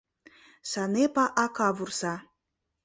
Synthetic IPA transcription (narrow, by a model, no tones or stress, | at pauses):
sɑnepɑʔɑkɑβursɑ